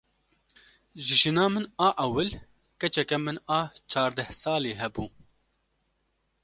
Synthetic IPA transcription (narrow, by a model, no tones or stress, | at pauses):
ʒɨʒɨnɑːmɨnɑːʔɛwɨl | kɛt͡ʃɛkɛmɨnɑːt͡ʃʰɑːɾd̪ɛhsɑːleːɦɛbuː